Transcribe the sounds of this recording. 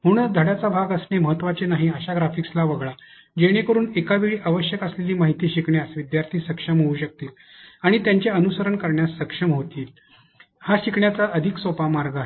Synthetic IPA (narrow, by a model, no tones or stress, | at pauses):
ɦoɽ̃əd̪ʱəɽjat͡sabʱaɡəsɳeməɦət̪ːʋat͡ɕenaɦiəɕaɡɾafikslaʋəɡɭa | d͡ʑeɽ̃ekəɾuːnekaʋiɭiːʔaʋəɕjəkəsleliːmaɦit̪iːɕikɳjasʋid̪jaɾt̪ʰiːsəkʂəmɦouːɕək̚t̪iːl | aɽ̃it̪jaɲt͡ɕeənusəɾəɳkəɾɳjasːəkʂəmɦot̪iːl | haɕikɳjat͡saʔəd̪ʱiksopamaɾɡʱaɦe